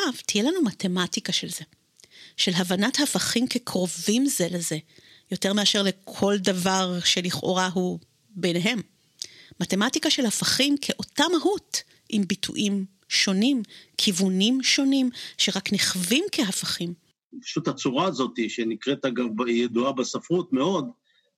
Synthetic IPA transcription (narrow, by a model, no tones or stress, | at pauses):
avtijelanumate̞matikaʃelze̞ | ʃe̞lɦavanathafaχimkekʰʁo̞vimzeleze̞ | jo̞te̞ʁmeaʃeʁle̞kʰo̞ldavaʁʃe̞liχʔo̞̰ʁaɦu | bejneɦe̞mː | ate̞matikaʃe̞lhafaχimkʰeʔo̞tamaɦut | ʔimbitʰṵʔim | ʃo̞nimkʰivunimʃo̞nimʃeʁakneχvimkeɦafaχim | pḁʃut̪hat͡suʁaːzo̞t̪iʃenikʁet̪aɡavbjeduabesafʁut̪meo̞d̪